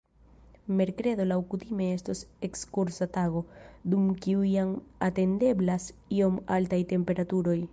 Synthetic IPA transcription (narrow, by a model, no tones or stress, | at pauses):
meɾkɾeðolawkut̪imeest̪osekskuɾsat̪aɣod̪umkiuiaŋat̪end̪eblasio̞malt̪ajt̪e̞mpe̞ɾat̪uɾo̞j